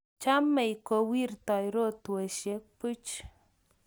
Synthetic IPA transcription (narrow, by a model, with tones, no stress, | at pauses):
t͡ʃa˦mɛ˨i˨ko˨wi˦˨rtɔ˨jɾo˦˨t̪we˨ʃe˨˦k̚pu˦t͡ʃ